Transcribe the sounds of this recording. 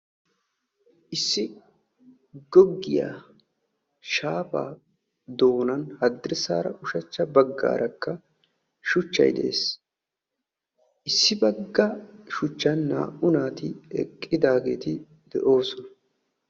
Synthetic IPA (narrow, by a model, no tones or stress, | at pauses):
ʔɪsːɪ | ɡɔɡːɪja̰ | ʃaːpa̰ː | d̪o̞ːnɐnhɐd̪ːɪɾsa̰ːɾɐ̰ʔʊʃɐt͡ʃːɐbɐɡːa̰ːɾʔɐkːɐ | ʃʊt͡ʃːɐ̰jd̪ɛ̰ʔḛːs | ʔɪsːɪbɐɡːɐʃʊt͡ʃːɐnːa̰ːʔʊnaːt̪ɪɛ̰kʼːɪd̪aːɡe̞ːt̪ɪ | d̪ɛʔo̞ːsɔnɐ̥